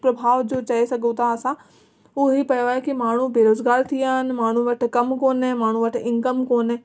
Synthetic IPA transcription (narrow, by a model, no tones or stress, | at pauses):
pɾɐbʱaːʋd͡ʑoːt͡ɕɐesɐɡʱõt̪ʰaɐsã | ʊɦipɐjoaːɦekimaːɳ̤ũbeːɾoːzɡaːɾt̪ʰiaːɦɪnɪ̆maːɳ̤ũʋɐʈ̆ʰkɐmkoːnmaːɳ̤ũʋɐʈ̆ʰɪ̃ŋkəmkoːn